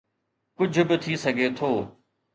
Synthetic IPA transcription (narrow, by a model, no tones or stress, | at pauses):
kʊd͡ʑʱʊ̆bɪt̪ʰisɐɡʱet̪ʰoː